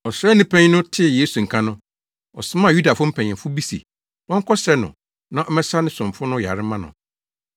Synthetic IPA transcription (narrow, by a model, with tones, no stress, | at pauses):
ɔ˨sɛ˦nĩ˦pʰɛ̃˦ɲ˦nʊ̃˦tʰɪ˦˨je˦su˨ŋ̩˨kʰã˦nʊ̃˦ | ɔ˨sʊ˦mã˦˨ju˦da˨fʊ˦m̩˦pʰɛ̃˨ɲ˨ɪ̃˨fʊ˦bi˦sḭ˨ | wɔ̃˦ŋ˦kʰɔ˦ɕɛ˦nʊ̰̃˨ | nã˦ʔɔ˦mɛ̃˦sa˦nɪ̃˦sʊ̃˨mfʊ˦nʊ̃˦ja̰˨ɾɪ˦mã˦nʊ̰̃˨